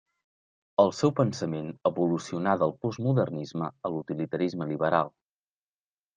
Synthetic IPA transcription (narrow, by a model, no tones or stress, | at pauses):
əlˠsɛwpənsəmenəβulusiunad̪əlˠpuzmuðərnizməəlut̪ilit̪əɾizməliβəɾalˠ